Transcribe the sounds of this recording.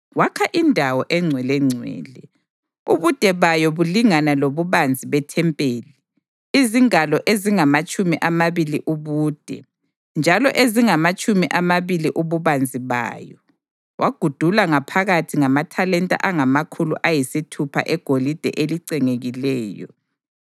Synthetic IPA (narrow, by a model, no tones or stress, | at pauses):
wakʰaʔindʱawɔʔɛŋ͡ǀʱwɛlɛŋ͡ǀʱwɛ̰ːlɛ | uβud̥ʱɛβajɔβuliŋanaloβuβand͡zʱiβɛtʰɛmpʼeːli | iziŋalɔʔeziŋamat͡ʃʼumiʔamaβiliʔuβuːd̥ʱɛ̰ | nd͡ʒʱalɔʔeziŋamat͡ʃʼumiʔamaβiliʔuβuβand͡zʱiβa̰ːjɔ | wʔaɡ̥ʱud̥ʱulaŋapʰaɣatʰiŋamatʰalɛntʼa̰ʔaŋamakʰulṵʔajisitʰupʰa̰ʔɛɡ̥ʱolid̥ʱɛ̰ʔeliǀɛŋeɣilɛːjɔ̰